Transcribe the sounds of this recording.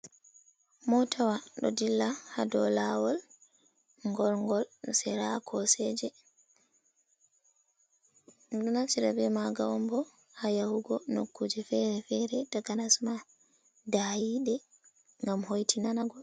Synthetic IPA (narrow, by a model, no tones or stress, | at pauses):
mɔtawaɗɔ̰dilːahadɔlawɔl | ŋɡɔlŋɡɔlsɛɾakʰɔsɛd͡ʒɛ | dunat͡ʃiɾabɛmaɡawɔmbɔ | hajahuɡɔno̰kːud͡ʒɛfɛɾɛfɛɾɛdaɡanasma | dajiɗɛ | ŋɡamhojtʰinanaɡɔl